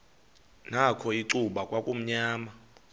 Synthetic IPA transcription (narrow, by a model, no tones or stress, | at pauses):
nakʰɔiǀuɓakʼwakʼum̩ɲaːma